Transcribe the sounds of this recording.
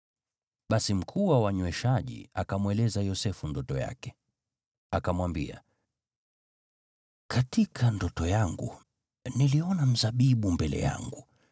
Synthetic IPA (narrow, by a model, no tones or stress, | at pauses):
ɓasim̩kʰuwawaɲwɛʃaʄḭakamwɛlɛzajɔsɛfundɔtɔja̰kɛ | akamwambḭa̰ | kʰatikʰandɔtɔjaŋɡṵ | niliɔnam̩zaɓiɓumbɛlɛ̰ja̰ŋɡu